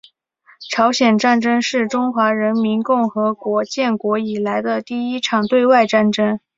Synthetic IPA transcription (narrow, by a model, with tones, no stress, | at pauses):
ʈ͡ʂʰɑ˧˥ʊɕjɛ˨˩nʈ͡ʂa˥˩nʈ͡ʂɤ˥ŋʂɻ̩˥˩ʈ͡ʂʊ˥ŋxwa˧˥ɻə˧˥nmi˧˥nkʊ˥˩ŋxɤ˧˥kwɔ˧˥t͡ɕjɛ˥˩nkwɔ˧˥i˨˩la˧˥ɪd̪ə˧t̪i˥˩i˥ʈ͡ʂʰɑ˨˩ŋt̪we˥˧ɪwa˥˧ɪʈ͡ʂa˥˩nʈ͡ʂɤ˥ŋ